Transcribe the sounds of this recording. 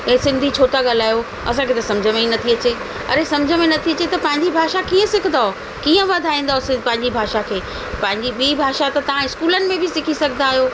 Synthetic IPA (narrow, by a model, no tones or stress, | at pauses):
esɪ̃nd̪ʱit͡ɕʰoːʈaɠal̤aːjo | ɐ̰sãkʰet̪ɐsɐ̃md͡ʑʱəmẽinɐt̪ʰiɐt͡ɕe | ɐ̰ɾesɐmd͡ʑʱəmẽnɐt̪ʰiɐt͡ɕet̪ɐpɐ̃ɦɪ̃ɲd͡ʑibʱaːʃakiːə̃sɪkʰənd̪aɦo | kiːə̃ʋɐd̪ʱaːĩːnd̪aːospɐ̃ɦɪ̃ɲd͡ʑibʱaːʃakʰeː | pɐ̃ɦɪ̃ɲd͡ʑiɓiibʱaːʃat̪ɐt̪ɐʋ̤ãɪskuːlənɪ̆mẽbʱɪsɪkʰisɐɡʱnaːɦijoː